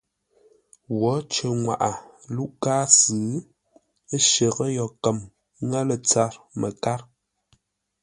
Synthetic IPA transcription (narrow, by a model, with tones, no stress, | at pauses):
wɔ˨˦t͡ʃə˨ŋwa̰˨ʔa˨lu˦ʔkaː˦sɨː˨˦ | ə˦ʃə˨ɣə˦jɔ˨kə˨m˦ | ŋa˦lə˨t͡sa˦ɾmə˨ka˦ɾ